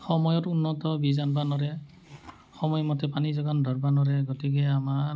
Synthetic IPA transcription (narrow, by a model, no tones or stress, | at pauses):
xɔmɔjɔtunːɔt̪ɔbizanbanɔɾɛ | xɔmɔjmɔtɛpanizɔɡandʱɔɹbanɔɹɛɡɔtikɛama